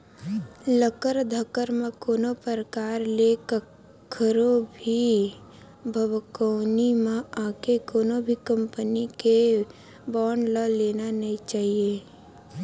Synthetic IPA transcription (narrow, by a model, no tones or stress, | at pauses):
ləkəɾd̪ʱəkəɾmẽkoːnopəɾəkaːɾlekə | kʰəɾobʱi | bʱəbkoʊnimẽaːkekoːnobʱikə̃mpənike | bɔːɳləleːnanəɦĩt͡ʃaːɦieː